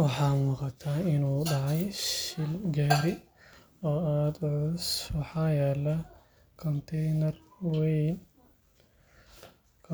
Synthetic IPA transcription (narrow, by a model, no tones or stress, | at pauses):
wɑħɑːmʊqɑt̪ʰaːɪnuːɖɑʕɑjʃɪlɡaːɾɪ | ɔːaːd̪ʕʊswɑħɑːjɛːlɐ | kʰɔnt̪ʰɛjnɐrwɛ | kʰ